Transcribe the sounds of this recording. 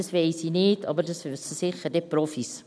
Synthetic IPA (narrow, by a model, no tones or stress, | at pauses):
ɑsʋɛɪsinɪːdʰɑ̰bəɾdɑsssɪχədɛprɔfis